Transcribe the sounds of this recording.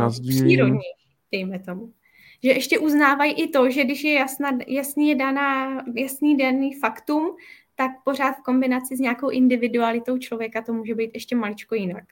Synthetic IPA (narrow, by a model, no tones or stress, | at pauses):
aziɾodɲɛji | d̥ɛjmɛt̪o̞mu | ʒɛʔɛʃcɛʔuznaːvajʔɪt̪o̞ʒɛɡdɪʃjɛjasnajasnijɛdanaːjasniːdaniːfakt̪umt̪ak̚po̞r̝aːt̪fko̞mbɪnat͡sɪzɲaːkowʔɪndɪvɪdualɪt̪o̞wt͡ʃlo̞vjɛkat̪o̞muːʒɛbɛjt̪ʔɛʃcɛmalɪt͡ʃko̞jɪnak